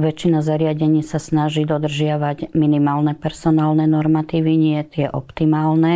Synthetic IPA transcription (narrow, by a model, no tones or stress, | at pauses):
ʋɛt͡ʃːinazaɾɪaɟɛɲiːsasnaʒiːd̪ɔd̪r̩ʒɪaʋaɟminimaːlnɛpɛɾsɔnaːlnɛnɔɾmat̪iːʋiɲɪɛt̪ɪɛʔɔpt̪imaːlnɛ